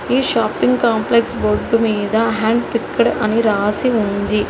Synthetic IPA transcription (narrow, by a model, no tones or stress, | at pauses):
iːʃaːpːiŋɡkaːmpleksboɾɖːumiːd̪ɐɦaːɳɖpikːɐɽɐ̰niɾaːsiund̪i